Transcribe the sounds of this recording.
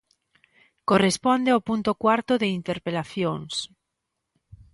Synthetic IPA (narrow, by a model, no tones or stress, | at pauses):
korespond̪eawpunt̪okwaɾt̪oðeint̪eɾpelaθjoŋs